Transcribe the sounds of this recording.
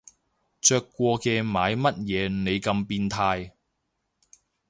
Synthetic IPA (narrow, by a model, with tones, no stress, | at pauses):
t͡ʃœː˧kːʷɔː˧kɛː˧maː˨˧jmɐ˥t̚jɛː˨˧ne˨˧jkɐ˧mpiː˧nt̪ʰaː˧j